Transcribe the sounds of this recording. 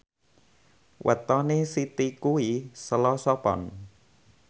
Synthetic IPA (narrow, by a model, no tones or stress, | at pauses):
wʔə̰t̪ɔnesit̪ikuisəlɔsɔpɔ̰n